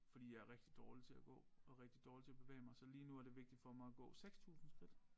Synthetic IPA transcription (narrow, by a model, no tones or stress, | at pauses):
fɒd̥ḭːjɑ̈æɐʁeɡ̥d̥id̥ɒːlit͡sʰe̝læɡ̥ɔ̰̽ːɒʁeɡ̥̚d̥id̥ɒːlit͡sʰe̝æb̥e̝ʋɛ̰ːɪmɑ̈ɪsɒ̽liːnuæɐdeʋe̝ɡ̥̚d̥id̥fɒ̽mɑ̈ɪæɡ̥ɔ̰̽ːseɡ̥st͡sʰṵːsn̩skʰʁid̥